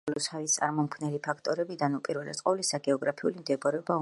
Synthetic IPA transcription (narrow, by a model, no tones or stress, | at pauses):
lɔshavist̪sʼa̰ɾmɔmkʰvnɛlipʰakʰt̪ʼɔɾɛbid̪anupʼiɾvɛla̰t̪sʼqʼɔvlisaɡɛɔɡɾapʰiulimd̪ɛbɔɾɛɔbau